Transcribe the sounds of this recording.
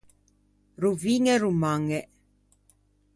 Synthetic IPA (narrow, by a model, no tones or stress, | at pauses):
ruviŋeɾumaŋeʔ